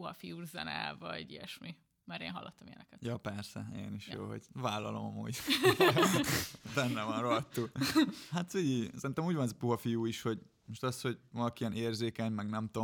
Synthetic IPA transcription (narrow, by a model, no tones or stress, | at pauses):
puɦɒfijuːrzɛ̰nɛ̰vɒɟiɛʃmi | mɛɾeːnɒ̰lːɒt̪ːoɒmjɛ̰nɛ̰kɛt̪jɒpɛrsɛ̰ḛniʃjo̰ːɦo̞̰ɟvaːlːɒ̰lo̞̰mɒmṵːɟ | bɛnːɛvɒnroɒt̪ːuɦat̪siisɛɾint̪ɛmuːɟvɒnɛzɒpuɦɒfijuːiʃho̞ɟ | moʃt̪ɒsho̞ɟvɒlɒkiiɛneːrzeːkɛɲmɛɡnɛmt̪o